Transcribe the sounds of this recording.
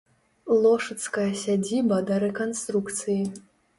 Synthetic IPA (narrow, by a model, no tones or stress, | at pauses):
lˠɔʂɐt̪skɐjɐsʲad͡zʲibɐd̪ɐɾɛkanst̪ɾukt̪sɨji